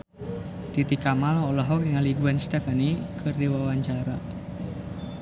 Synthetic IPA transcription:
t̪it̪ikamalɔlaɦɔkŋaliɡuanst̪ɛfanikʰɨrdiwawaɲd͡ʒaɾa

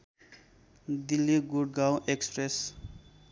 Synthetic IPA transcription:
d̪ilːiɡuɽɡawʔekspɾes

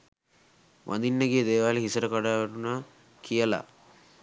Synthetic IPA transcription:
ʋʔa̰nd̪inːəɡeːd̪eːʋaːleɦisəɾəkaɖaːʋeʈunaː | kʰijəla̰

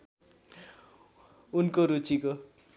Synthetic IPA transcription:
unkoɾut͡siko

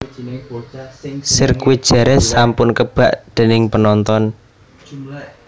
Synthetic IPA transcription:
sɪrkuwi̥ʒ̥ɛ̤ɾɛsampʊnkəb̥aʔd̪̥e̤nɪŋpənɔnt̪ɔn

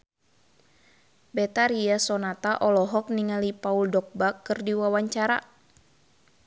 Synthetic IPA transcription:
bɛt̪aɾiasɔnat̪aʔɔlɔɦɔk̚niŋalipauldɔk̚bakːɨrdiwawaɲt͡ʃaɾa̰

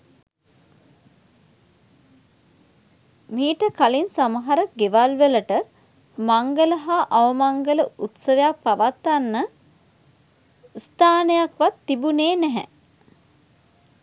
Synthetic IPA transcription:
miːʈəkalinsaməɦaɾəɡeʋalʋeləʈə | maŋɡələɦaʔaʋəmaŋɡələut̪səʋejak̚paʋat̪ːanːə | st̪aːnəjakʋat̪ːibuneːnɛɦɛ̰

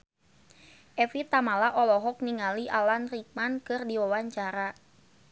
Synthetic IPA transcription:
ʔɛfit̪amalaʔɔlɔɦɔk̚niŋaliʔalanrik̚mankɨrdiwawaɲt͡ʃaɾa

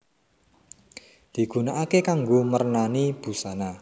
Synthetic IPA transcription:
d̪̥i̤ɡ̥ṳnaʔakekaŋɡoməɾənanib̥ṳsana

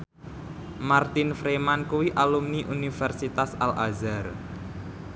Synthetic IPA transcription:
mart̪infɾemankuwiʔalumniʔunifɛrsit̪asalʔazar

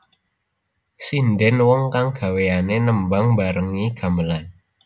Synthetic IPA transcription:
sindɪnwɔŋkaŋɡ̥a̤weanenəmbaŋbaɾəŋiɡ̥a̤məlan

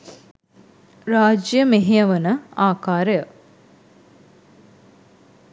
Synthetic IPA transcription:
ɾaːd͡ʒjəmeɦeəʋənəaːkaːɾəjə

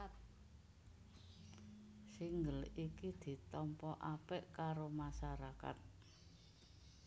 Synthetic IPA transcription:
t̪̚ | siŋɡəlikid̪̥i̤t̪ɔmpɔʔapɛʔkaɾomasaɾaka̰t̪̚

